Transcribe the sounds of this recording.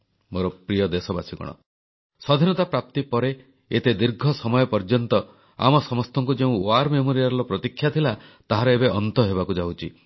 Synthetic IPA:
moɾɔpɾijɔd̪esɔba̰sikɔ̰ɽ̃ɔ̰ | sɔd̪ʱinɔt̪apɾap̚t̪ipɔɾe | et̪ed̪iɾɡʱɔsɔmɔjɔpɔɾd͡ʒɔnt̪ɔ | a̰mɔsɔmɔst̪ʰɔŋkud͡ʒeũoaɾmemoɾijaɾɔlɔpɾɔt̪ikʰːjat̪ʰilat̪aɦaɾɔebeʔɔnt̪ɔɦeβakud͡ʒawt͡ʃʰi

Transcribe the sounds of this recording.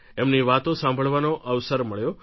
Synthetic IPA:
emniʋat̪õsãmbʱəɭʋanoʔəʋsəɾməɭjo

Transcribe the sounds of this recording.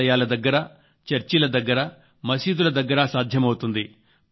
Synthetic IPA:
ɐjaːlɐd̪ɐɡːɐɾɐ | t͡ʃɐɾt͡ʃilɐd̪ɐɡːɐɾɐ | mɐsiːd̪ulɐd̪ɐɡːɐɾasaːd̪ʱjɐmɐwut̪und̪i

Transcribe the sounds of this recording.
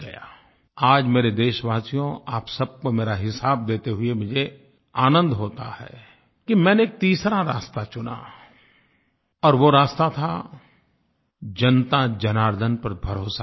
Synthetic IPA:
ɡɐja̰ː | aːd͡ʒmeːɾed̪eːʃʋaːsijõaːpsɐb̚komeːɾaɦɪsaːb̚d̪eːt̪eɦʊemʊd͡ʒʱe | aːnə̃nd̪ɦoːt̪a̰hɛ̰ː | kimɛ̃ːneeːk̚t̪iːsɾaɾaːst̪at͡ʃʊna̰ | ɔːɾʋoɾaːst̪at̪ʰa | d͡ʒɐnt̪ad͡ʒɐnaːɾd̪ʱənpɐɾbʱɐɾoːsa

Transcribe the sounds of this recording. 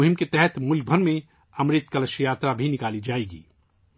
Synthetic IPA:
ʊɦɪmket̪ɛɦɛt̪mʊlk̚bʱənmẽ | ɐmɾet̪kələʃjaːt̪ɾabʱinɪkaːlid͡ʒaːeɡḭː

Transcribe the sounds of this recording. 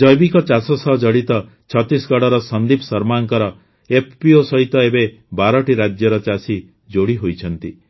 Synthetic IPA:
d͡ʒɔjbikɔt͡ʃasɔsɔɦd͡ʒɔɽit̪ɔ | t͡ʃʰɔt̪isɡɔɽɔɾɔsɔnd̪ipsɔɾmaŋkɔɾɔ | epʰpiosɔɦit̪ɔebe | baɾɔʈiɾad͡ʒjɔɾɔt͡ʃasi | d͡ʒoɽiɦojt͡ʃʰɔnt̪i

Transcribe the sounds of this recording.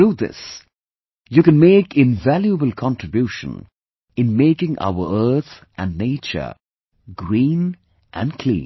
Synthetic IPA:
uðɪ̰s | jukɨ̃nmeɪkɪ̃nvæljuəbəlˠkʰɑ̃ntɹɪbjuːʃə̰̃n | ɪ̃nmeɪkɪ̃ŋʔa̰ʊə̰ɜ˞t̪ʔæ̰̃nːeɪt͡ʃə̰˞ | ɡɹĩːn | ʔæ̰̃nkʰl̥ḭ̃ː

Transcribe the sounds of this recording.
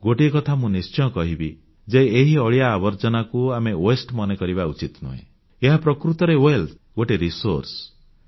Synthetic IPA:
ɡoʈikɔt̪ʰamũnist͡ʃɔjɔ̃kɔɦibi | d͡ʒeeɦiɔɭijaːbɔɾt͡ʃɔnakuamewesʈmɔnekɔɾiβaut͡ʃit̪nṵɦḛ̃ | eɦapɾɔkɾut̪ɔɾewel | ɡoʈeɾisoɾs

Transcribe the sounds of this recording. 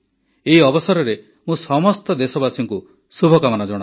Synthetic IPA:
eiɔbɔsɔɾɔɾe | mũsɔmɔst̪ɔd̪esɔbasɔŋku | subʱɔkamanɔd͡ʒɔɽ̃a

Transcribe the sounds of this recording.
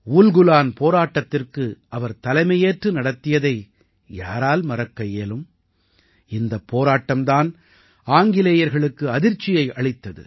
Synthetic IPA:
uːlɡʊlaːnpoːɾaːʈːɐt̪ːɪrkɯʔɐʋɐɾt̪ɐlɐɪmɐjeːʈrɯnɐɽɐt̪ːɪjɐðɐɪ | ja̰ːɾaːlmɐɾɐkːɐjeːlɯm | ɪnd̪ɐpːoːɾaːʈːɐmd̪aːn | aːŋɡɪleːjɐɾɣɐɭɯkːɯɐðɪɾt͡ʃːɪjɐɪʔɐɭɪt̪ːɐðɯ̰

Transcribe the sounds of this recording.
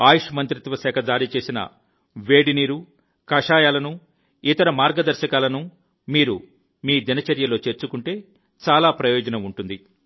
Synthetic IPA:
aːjuʂɐmɐnt̪ɾit̪ʋɐʃɛːkʰɐd͡ʒaːɾit͡ʃe̞ːsinɐ̰ | ʋe̞ːɖiniːɾu | kɐʂaːjaːlɐnu | it̪ɐɾɐmaːɾɡɐd̪ɐɾʃɐkaːlɐnu | miːɾu | miːd̪inɐt͡ʃɐɾjɐlo̞ːt͡ʃe̞ːɾt͡ʃukuɳʈe̞ː | t͡ʃaːlaːpɾɐjɔːd͡ʒɐnɐmuɳʈund̪i

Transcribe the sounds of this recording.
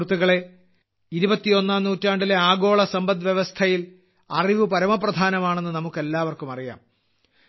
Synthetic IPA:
ut̪ːuɣɐɭe̞ | iɾubɐt̪ːio̞nːaːmnuːtːaːɳɖile̞aːɡo̞ːɭɐsɐmbɐnʋjeʋɐst̪ʰɐjil | ɐriʋɨpɐɾɐmɐprɐd̪ʱaːnɐmaːɳenːɨnɐmukːe̞lːaːʋɐrkumɐrija̰ːm

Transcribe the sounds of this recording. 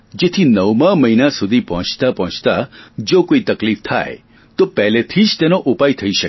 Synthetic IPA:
d͡ʒet̪ʰinəwmãməɦinasud̪ʱipɔɦt͡ʃt̪apɔɦɔ̃t͡ʃt̪ad͡ʒokoit̪əklift̪ʰa̰e | t̪opɛlet̪ʰid͡ʒt̪enoʔupait̪ʰəiʃək

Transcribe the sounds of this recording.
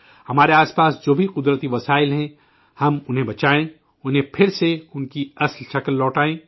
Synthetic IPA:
hɐmaːɾeaːspaːsd͡ʒoːbʱiqʊd̪ɾət̪iʋɐsaːɪlɦɛ̃ | hɐmʊnɦẽbɐt͡ʃaːẽ | ʊnɦẽpʰɪɾseʊnkiɐslʃɐkəlːɔːʈaːẽː

